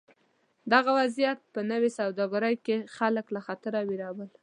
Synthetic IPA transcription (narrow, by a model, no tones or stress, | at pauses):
d̪aɣawazijat̪̚pənəwesawd̪ɑɡaɾajkexaləklaxat̪əɾawiɾɑwəl